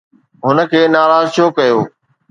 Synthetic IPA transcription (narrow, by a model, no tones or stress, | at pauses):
ɦʊnə̆kʰeːnaːɾaːzt͡ɕʰoːkɐjoː